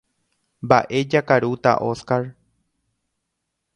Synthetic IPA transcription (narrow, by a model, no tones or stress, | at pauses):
mbaʔe̞d͡ʒakaɾut̪a̰ʔo̞skaɾ